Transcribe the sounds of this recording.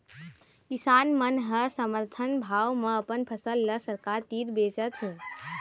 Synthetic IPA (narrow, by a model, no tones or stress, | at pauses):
kisanmənɦəsəməɾt̪ʰənbʱawmeəpənpʰəsəlːəsəɾkaɾt̪iɾbet͡ʃət̪ɦũ